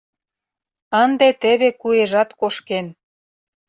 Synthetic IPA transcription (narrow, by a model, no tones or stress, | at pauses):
ənd̪et̪ĕβekueʒɑt̪koʃken